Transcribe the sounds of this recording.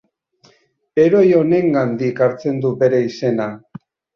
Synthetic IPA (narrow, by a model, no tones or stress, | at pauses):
e̞ɾo̞jo̞ne̞ŋɡand̪ikaɾt͡se̞nd̪ube̞ɾe̞ise̞na